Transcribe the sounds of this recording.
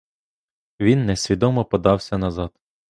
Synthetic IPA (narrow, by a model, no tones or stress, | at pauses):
ʋʲinːɛsʲʋʲid̪ɔmɔpɔd̪ɑwsʲɐnɐzɑd̪̥